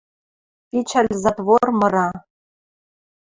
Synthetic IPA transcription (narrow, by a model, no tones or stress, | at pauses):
pʲit͡ɕʰalʲzat̪vormɤ̆ɾɑ